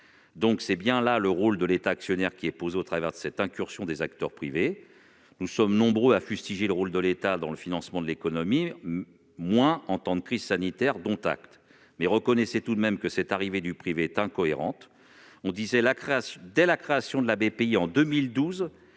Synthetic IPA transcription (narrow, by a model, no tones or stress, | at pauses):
d̪ɔ̃ksɛbjɛ̃laləʁold̪əlet̪aːksjɔnɛʁkʲiɛpozeot̪χavɛ̰ʁd̪əsɛt̪ɛ̃kʲyʁsjɔ̃d̪ezakt̪œʁpχive | nusɔmnɔ̃bʁøafyst̪iʒeləʁold̪əlet̪ad̪ɑ̃ləfinɑ̃smɑ̃d̪əlekɔnɔmi | mwɛ̃ɑ̃t̪ɑ̃d̪kχiz̥sanit̪ɛʁd̪ɔ̃t̪a̰kt̪ | mɛʁəkɔnɛsɛt̪ud̪mɛmkəsɛt̪aʁived̪ypχiveɛt̪ɛ̃kɔeʁɑ̰̃t̪ | ɔ̃d̪izɛlakχeasjɔ̃d̪ɛlakχeasjɔ̃d̪əlabepeiɑ̃d̪ømild̪uz